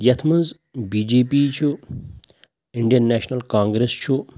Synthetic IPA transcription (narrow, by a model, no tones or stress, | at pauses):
jɐt̪ʰmɐnz | biːd͡ʒeːpit͡ʃʰu | iɳɖijɐnːeːʃnɐlkãːŋɡɾest͡ʃʰu